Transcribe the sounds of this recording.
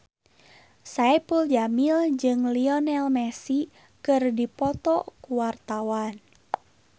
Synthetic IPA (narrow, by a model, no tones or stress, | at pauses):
saɛpəld͡ʒamild͡ʒɨŋliɔnɛlmɛsi | kɨrdipɔt̪ɔkuwart̪awan